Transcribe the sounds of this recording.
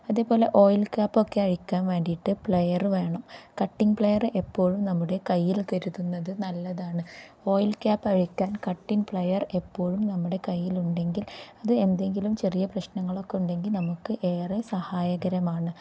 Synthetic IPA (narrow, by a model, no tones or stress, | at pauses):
ɐðe̞ːpo̞ːle̞ʔo̞ːjlkaːpːo̞kːe̞ɐɻikʲːaːnʋe̞ːɳɖiʈːɨpɭɐjɐrʋe̞ːɳɐmkɐʈːiŋpɭejɐrʔepːo̞ːɻumnɐmːuɽe̞kɐjːilt̪ɐɾuðunːɐðɨnɐlːɐðaːɳɨ | o̞ːjlkaːpːɐɻikʲːaːnkɐʈːinpɭɐjɐre̞pːo̞ːɻumnɐmːuɽe̞kɐjːiluɳɖe̞ŋɡilɐðɨe̞nd̪e̞ŋɡilumt͡ɕe̞rijɐprɐɕnɐŋːɐɭo̞kːe̞uɳɖe̞ŋɡilnɐmukːɨʔe̞ːresɐhaːjɐɣɐɾɐmaːɳɨ